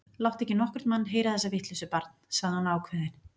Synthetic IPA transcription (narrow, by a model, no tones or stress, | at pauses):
lawht̪ɛhcɪnɔhkʏɾ̥t̪manːɦeːjɾaθɛsːavɪht̪lisʏpaɾt̪n̥saɣðhanaːwkʰvɛðɪn